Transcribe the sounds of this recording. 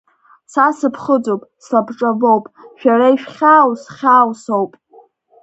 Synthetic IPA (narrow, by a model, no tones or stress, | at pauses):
sasɨpʰχəd͡zowpʼslabʈ͡ʂʼavo̞wpʼʃᶣaɾaiʃᶣχʲaːwsχʲaːwsowpʼ